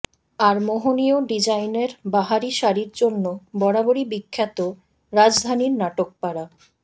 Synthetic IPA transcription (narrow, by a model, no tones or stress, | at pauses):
aɾmoɦonijoɖid͡ʑajneɾbaɦaɾiʃaɾiɾd͡ʑonːobɔɽaboɾibikʰːat̪o | ɾad͡ʑd̪ʱaniɾnaʈok̚paɽa